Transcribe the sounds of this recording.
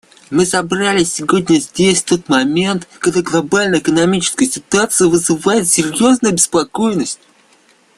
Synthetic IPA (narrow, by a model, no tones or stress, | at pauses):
mɨsɐbralʲɪsʲɪvo̞dʲnʲəzʲdʲesʲft̪o̞t̪mɐmʲe̞nt̪kɐɡd̪aɡlˠɐbalʲnəjɪkənɐmʲit͡ɕɪ̥skəjəsʲɪt̪ʊat̪sɨjəvɨzɨvajɪt̪sʲɪɾʲjo̞znʊjbʲɪspɐko̞jɪnəsʲtʲ